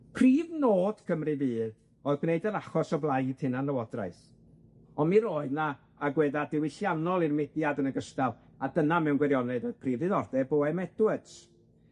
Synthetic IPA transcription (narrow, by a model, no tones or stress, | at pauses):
pʰriːvnoːd̥kʰəmrɨviːð | oɨðɡneɨdəɾaχɔsɔblˠajd̥hɨnanːəwɔdra̰js | ɔnmiɾoːɨðnaː | ɡwɛːðadɪwɪɬjanɔlˠirmɪdjadənəɡəstalˠ | adənamɛwnɡwɛɾjɔnɛðoɨð̥pʰriːvðɨðɔrdɛboːɛmɛd̥wɛds